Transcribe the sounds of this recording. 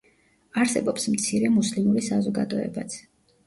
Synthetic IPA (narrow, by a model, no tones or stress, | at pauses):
aɾsɛbɔpsmt̪sʰiɾɛmuslimuɾisazɔɡad̪ɔɛ̰bat̪sʰ